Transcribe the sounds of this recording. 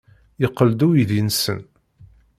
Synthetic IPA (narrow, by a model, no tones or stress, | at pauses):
jəqːəld̪ujiðinsə̰n